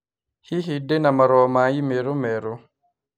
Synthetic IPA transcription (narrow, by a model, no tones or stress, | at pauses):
hiɦidːenamaɾɔːmaːjimeɾomɛɾo